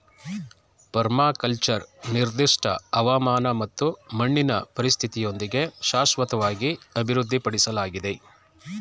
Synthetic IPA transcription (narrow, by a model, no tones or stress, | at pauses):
pɐɾmaːkɐlt͡ʃɐɾniɾd̪iʂʈʰɐ̰ɐʋɐmaːnɐmɐt̪ːumɐɳːinɐ̰pɐɾist̪ʰit̪ijo̞nd̪iɡe̞ʃaːsʋɐt̪ɐʋaːɡiɐbʱiɾud̪ʱːipɐɽisɐlaːɡid̪e̞